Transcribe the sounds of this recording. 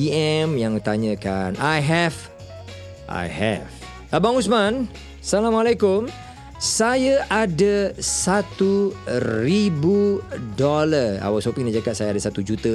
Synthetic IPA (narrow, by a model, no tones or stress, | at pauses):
iɛmjaŋt̪aɲə̃kanajɦɛf | ʔa̰jhɛ̰v | əbaŋusman | salamalakʊm | sajaʔadasat̪uribudɔləra̰wasopiŋdaʔd͡ʒakaʔ̪̚sajaadasat̪ud͡ʒut̪ə